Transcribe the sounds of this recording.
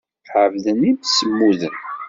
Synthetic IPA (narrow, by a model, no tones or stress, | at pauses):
ʕəvðənːimsəmːuðən